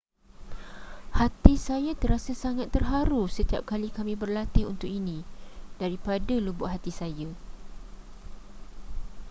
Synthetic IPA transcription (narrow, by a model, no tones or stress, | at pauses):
hat̪isajat̪əɾasasaŋat̪ːərɦaɾusət̪ia̰p̚kalikamĩbərlat̪ɪɦṵnt̪ʊkinĩd̥aɾipadalubʊʔɦat̪isaja